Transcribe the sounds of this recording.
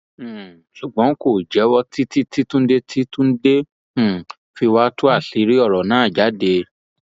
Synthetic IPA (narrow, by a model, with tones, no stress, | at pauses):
ʃu˨ɡ͡bɔ̃˨˦ko˦˨d͡ʒɛ˨˦wɔ˦ti˦ti˦ti˦tũ˦n̩˦de˦tʰi˦tũ˦n̩˦dẽ˦˨ | fi˧wa˦tu˦a˦˨ɬi˨˦ɾi˦ɔ˦˨ɾɔ˨nã˨˦˨d͡ʒa˨˦de˧